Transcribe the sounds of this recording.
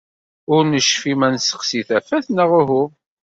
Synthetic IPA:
ʊɾnəʃfimænsə̥qsiθæfæθnəʁʊɦʊ

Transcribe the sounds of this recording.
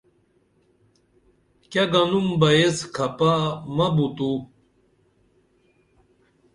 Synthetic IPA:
kɐɡɐnumbɐjeskʰɐpamɐbut̪u

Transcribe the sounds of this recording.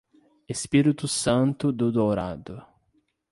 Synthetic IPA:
espiɾit̪ʊsɐ̃nt̪ʊd̪ʊd̪owɾa̰d̪ʊ

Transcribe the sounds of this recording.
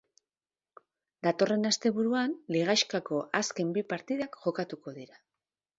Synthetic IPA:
d̪at̪o̞re̞nast̪e̞βuɾuanliɣ̞ajʃkako̞ʔaske̞mbipaɾt̪iðakʝo̞kat̪uko̞ð̞iɾa

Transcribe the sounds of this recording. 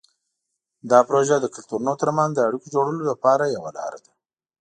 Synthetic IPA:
d̪ɑpɾoʒad̪əkʊlt̪uɾunot̪əɾmanzd̪əaɽikod͡ʒoɽəlolapɑɾajawa̰lɑ̰ɾa̰d̪a

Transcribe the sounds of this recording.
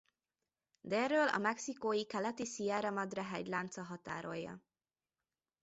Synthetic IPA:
d̪ɛrːøːlɒ̰mɛksikoːjikɛlɛt̪isiɛːɾɒmɒd̪rɒɦɛɟlaːnt̪sɒɦɒt̪a̰ːɾo̞̰jːɒ̰

